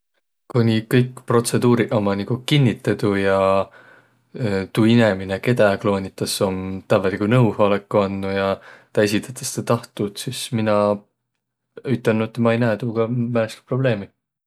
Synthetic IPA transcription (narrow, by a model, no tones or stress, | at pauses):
kunʲikɤjkːpro̞t̪se̞d̪uːɾiʔomɑnikukinʲːit̪ːˑɑd̪ujɑ | t̪uːinemineke̞d̪ɑklo̞ːnʲit̪ːˑɑso̞mt̪ævɑlikunɤwhɑlekːˑuɑnːujɑt̪ɑes̬it̪ˑɑ̥t̪ːˑɑ̥st̪et̪ɑht̪ut̪sisminɑ | yt̪ːˑɑnːut̪ːmɑejnæːt̪uːɡ̥ɑmæleski̥pro̞ble̞ːmi